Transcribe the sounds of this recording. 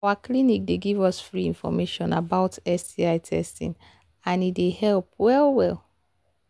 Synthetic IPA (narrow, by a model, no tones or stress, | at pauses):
waklinik̚deɡivɔsfɹiĩnfɔ̰meʃɔ̃nabaʊtɛstiaɪtʰɛ̰stḭ̃n | ãnidehɛlp̚wɛlwɛl